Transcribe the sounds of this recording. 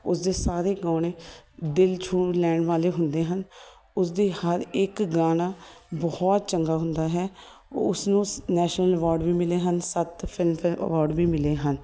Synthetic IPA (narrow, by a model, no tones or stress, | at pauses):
ʊsd̪eːsaːɾeːɡaːɽ̃eːd̪ɪlt͡ʃʰuːlɛːɳʋaːleːɦʊnd̪eːɦən | ʊs̬d̪eːhəɾɪkɡaːnaːbɔɔːt̪̚t͡ʃəŋɡaːɦʊ̃nd̪aːɦɛː | ʊsnũːnɛːʃnələʋɔːɾɖʋiːmɪleːɦənsət̪pʰɪlmpə̰ʋɔːɾɖʋiːmɪleːɦən